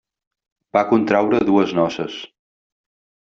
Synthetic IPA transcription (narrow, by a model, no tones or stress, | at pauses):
bakunt̪ɾawɾəðuəznɔsəs